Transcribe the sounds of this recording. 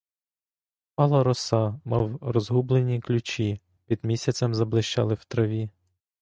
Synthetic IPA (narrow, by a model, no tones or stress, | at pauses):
pɑlˠɐɾɔsɑmɑwɾɔzɦublˠenʲiklʲʊt͡ʃʲi | pʲid̪mʲisʲɐt͡sʲɐmzɐblˠɪʃt͡ʃɑ̰lˠɪwt̪ɾɐʋʲi